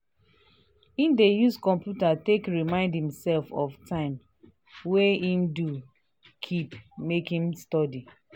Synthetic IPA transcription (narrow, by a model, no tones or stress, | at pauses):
ĩndejuskɔ̃mpjutatekɹimãɪ̃ndhĩmsɛlfɔftʰãɪ̃m | weĩndu | kʰipmekĩnstɔdi